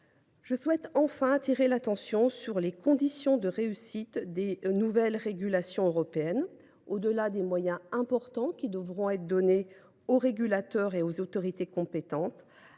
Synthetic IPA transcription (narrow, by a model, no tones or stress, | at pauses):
ʒ̥əswɛt̪ɑ̃fɛ̃at̪iʁelat̪ɑ̃sjɔ̃syʁlekɔ̃d̪isjɔ̃d̪əʁeysit̪d̪enuvɛlʁeɡʲylasjɔ̃øʁɔpeɛn | od̪əlad̪emwajɛ̃ɛ̃pɔʁt̪ɑ̃kʲid̪əvʁɔ̃ɛt̪d̪ɔne | oʁeɡʲylat̪œʁeozot̪ɔʁit̪ekɔ̃pet̪ɑ̃t̪